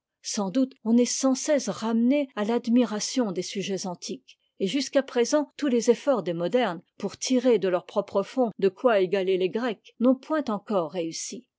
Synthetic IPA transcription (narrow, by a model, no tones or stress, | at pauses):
sɑ̃d̪ut̪ɔ̃nɛsɑ̃sɛsʁamnealad̪miʁasjɔ̃d̪esyʒɛzɑ̃t̪ʰik | eʒyskapχezɑ̃t̪ulezefɔʁd̪emɔd̪ɛʁnpuʁt̪ʰiʁed̪əlœʁpχɔpχəfɔ̃d̪əkwaeɡaleleɡʁɛknɔ̃pwɛ̃t̪ɑ̃kɔʁːeysi